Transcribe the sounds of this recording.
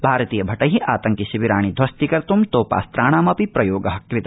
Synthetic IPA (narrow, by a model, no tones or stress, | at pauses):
bʱaːɾɐt̪iːjɐbʱɐʈɐɦiʔaːt̪ɐŋkiʃiʋiɾaːɳ̃id̪ʱʋɐst̪ikɐɾt̪umt̪oːpa̰ːst̪ɾaːɳ̃aːmɐpipɾɐjoːɡɐɦɐkɾɪt̪a